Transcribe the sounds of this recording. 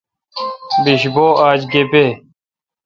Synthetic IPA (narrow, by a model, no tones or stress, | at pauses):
biɕboːʔaːd͡ʑɡepeː